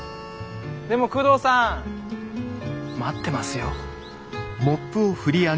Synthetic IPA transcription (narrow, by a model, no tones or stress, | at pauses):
d̪e̞mo̞kɯ̟ːd̪oːsã | mat̪ːe̞masɨjo | mopːɯ̟oɸɯ̟ɾʲia